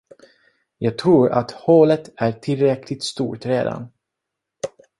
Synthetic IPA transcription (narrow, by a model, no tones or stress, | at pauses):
jɑːɡ̚t̪ʰɾuːɾa̰t̪hoːlət̪æʈʰɪlɾɛkʰlɪt̪st̪ṵːʈɾeːd̪a̰n